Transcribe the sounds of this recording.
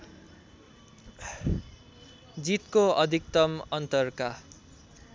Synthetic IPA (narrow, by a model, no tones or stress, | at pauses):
d͡zit̪koʌd̪ʱik̚t̪ʌmʌnt̪ʌrka